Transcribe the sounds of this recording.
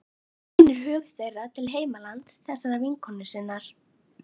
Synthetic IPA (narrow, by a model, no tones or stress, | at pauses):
inʏɾ̥ɦœːɣθejrat̪ʰɪlɦeːjmalant̪sθɛsaɾaviŋkʰɔnːʏsɪnːaɾ̥